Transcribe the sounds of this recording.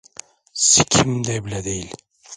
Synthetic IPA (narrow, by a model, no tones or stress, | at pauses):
sɪkʲʰɪmd̪ɛbɪlæd̪ejil